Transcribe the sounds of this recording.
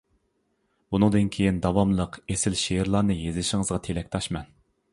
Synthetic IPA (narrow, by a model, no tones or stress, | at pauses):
bunɨŋd̪ɨnkʲʰejind̪ɑwɑmlˠəqesɪlʃejɾlˠɑɾnɨjezlɪʃɪŋəzʁɑt̪ʰelɛk̚ʲt̪ʰɑʃmɛn